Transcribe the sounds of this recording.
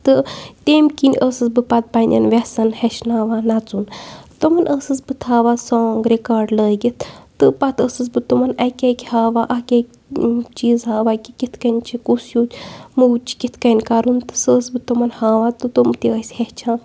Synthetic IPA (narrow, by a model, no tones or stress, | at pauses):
t̪ɨt̪emkinʲʔəsɨsbɨpɐt̪̚panʲɐ̰nʋʲesɐnheʃnaːʋaːnat͡sunt̪umɐnʔəsɨsbɨt̪ʰaːʋaːsoːŋɡɾikaːɾɖləːɡit̪ʰt̪ɨpat̪əsɨs̬bɨt̪umɐnɐkʲekʲhaːʋaːʔɐkʲekʲ | t͡ʃiːzɦaːʋaːkʲikʲit̪ʰkɐnʲt͡ʃʰikusjuːt̪ʲmɨwt͡ʃi̥kʲit̪ʰkɐnʲkaɾunt̪ɨ̥səːsbɨt̪umɐnhaːʋaːt̪ɨt̪umt̪iəsʲheht͡ʃʰaːn